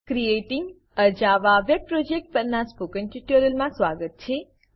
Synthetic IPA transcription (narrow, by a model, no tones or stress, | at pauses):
kɾijeʈiŋɡ | əd͡ʒaʋaʋeb̚pɾod͡ʒek̚ʈ̚pəɾnaspokənʈiʈuɾəlmãsʋaɡət̪̚t͡ʃʰe